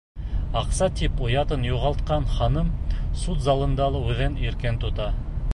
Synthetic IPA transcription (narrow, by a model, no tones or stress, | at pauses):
ɑqsɑt̪ipŏjɑt̪ɤnjuʁɑlˠt̪̚qɑnχɑnɤmsut̪zɑlˠɤ̆nd̪ɑlˠɤʉðɘniɾkent̪ŏt̪ɑ